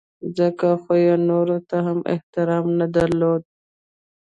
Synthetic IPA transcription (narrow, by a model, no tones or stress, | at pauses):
zəkaxojonoɾot̪aɦamɪ̰ht̪ɪɾɑːmnad̪ɐɾloːd̪̚